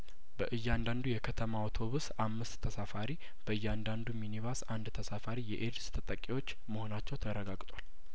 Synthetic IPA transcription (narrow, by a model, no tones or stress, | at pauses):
bəʔɨjːand̪and̪ujɛkʰət̪ʰəmawt̪ʰo̞βusamːɨst̪ʰːəsafaɾi | b̥əɨjːɛand̪and̪uminiβasand̪t̪ʰəsafaɾijɛʔedst̪ʰət̪ʼəkʼːiwo̞t͡ʃː | məho̞nat͡ʃːɛwt̪ʰərːəɡaɡt̪ʼwal